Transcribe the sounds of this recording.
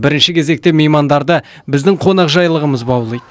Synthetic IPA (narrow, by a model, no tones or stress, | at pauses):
bɪɾɪnʃɪkʲʰe̞ze̞k̚t̪ɪmejmɑnd̪ɑɾd̪ə | bɪzd̪ɪɴqʰo̞nɑqʒɑjlˠəʁəməzbɑwlˠəj̪